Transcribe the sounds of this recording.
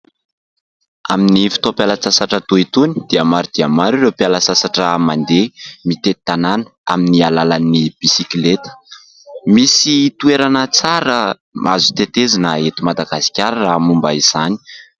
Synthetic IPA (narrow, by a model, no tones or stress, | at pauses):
a̰minifi̥t̪opjalət͡sasaʈ͡ʂət̪uit̪uni̥d̪̥iəmaɾid̪̥iəmaɾiɾepialəsasaʈ͡ʂəmand̪emit̪et̪ananə̥a̰minialalanib̥isiklet̪ə̥ | misit̪ueɾanət͡saɾə | ma̰zut̪et̪ezinaet̪imad̪aɡasi̥kʲaɾramumbaiz̥ani̥